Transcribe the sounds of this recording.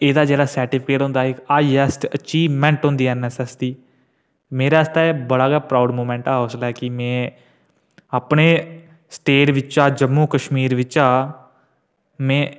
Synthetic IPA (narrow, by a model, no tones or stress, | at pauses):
eːd̪aːd͡ʒɛːɽaːsɛːɾʈɪpɪkeːʈɦõnd̪aːɪkaːiɛsʈət͡ʃiːʋmɛ̃ːɳʈɦõːnd̪iːɛnɛsɛːsd̪iː | meːɾaːst̪aːeːbəɽaːɡaːpɾaːʊɖmoːmɛ̃ːɳʈaːɦoslaːkɪmɛ̃ː | aːpɳeː | sʈeːʈʋɪt͡ʃaːd͡ʒəmːuːkəʃmiːɾʋɪt͡ʃaː | mɛ̃ː